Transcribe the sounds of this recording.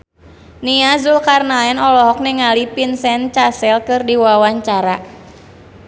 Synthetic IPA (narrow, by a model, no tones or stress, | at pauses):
niazulkarnaɛnɔlɔɦɔk̚niŋalipinsɛnt͡ʃasɛlkɨrdiwawaɲt͡ʃaɾa